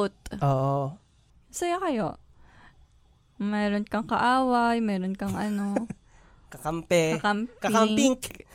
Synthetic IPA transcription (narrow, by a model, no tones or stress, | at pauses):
t̪̚ʔoːʔo | sɐjakɐjo | mɛːɾonkɐŋkɐʔaːwɐjmɛːɾonkɐŋʔɐno | kɐkampɛɐkampkɐɪkamŋpiŋk